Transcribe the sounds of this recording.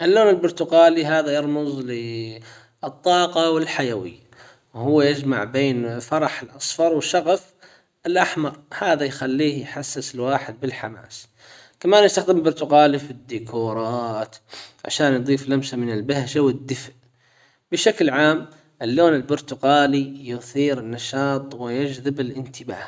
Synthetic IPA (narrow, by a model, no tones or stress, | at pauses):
ʔɪlːoːnɪlbʊɾˤt̪ʊɣaːliɦaːðajɑɾˤmʊzˤlɪ | ɨt̪ˤːɑːqɑwɪlħajawɪ̰jːa | whʊwːajɪd͡ʒmaʕbeːnfɑɾˤɑħɪlʔɑsˤfɑɾˤwɪʃɑɣaf | ɪlʔaħmɑɾˤhaːðajxalːiːhjħasːɪsɪlwaːħɪd̪̚bɪlħama̰ːs | kamaːnjɪst̪axd̪ɪmbʊɾˤt̪ʊɣɑːlifid̪ːikʰuːɾˤɑːt̪ʕa̰ʃaːnjd̪ˤiːflamsamɪnɪlbahʃawɪd̪ːɪfʔ | bɪʃaklʕaːm | ʔɪlːoːnɪlbʊɾt̪ʊɣaːlijʊθiːɾɪnːɑʃɑːt̪ˤwɪjad͡ʒðɪbɪlʔɪnt̪ɪba̰ːh